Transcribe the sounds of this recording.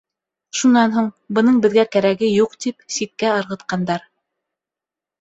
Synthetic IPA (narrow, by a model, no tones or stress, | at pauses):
ʃunɑnɦuɴ | bɤ̆nɤɴbɘ̆ðɡækæɾæɡɘjuqt̪ipsit̪̚kæɤ̆ɾʁɤ̆t̪qɑnd̪ɑɾ